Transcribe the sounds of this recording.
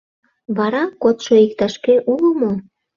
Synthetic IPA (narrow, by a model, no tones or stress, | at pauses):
βɑɾɑkot̪ʃoikt̪ɑʃkeʔuləmo